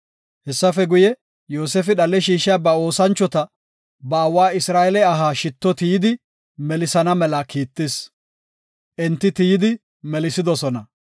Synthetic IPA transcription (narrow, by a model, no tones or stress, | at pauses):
hɛsːɐfɛɡʊjɛ | joːseːfɪɗɐlɛʃiːʃɪjabɐo̞ːsɐnt͡ʃːɔt̪ɐ | bɐːwaːɪsɾaːʔɛlɛɐɦaːʃɪt̪ːɔt̪ijɪd̪ɪ | mɛlɪsɐnɐmɛlɐkiːt̪ːɪs | ʔɛnt̪ːɪt̪ijɪd̪ɪ | mɛlɪsɪd̪ɔsɔnɐ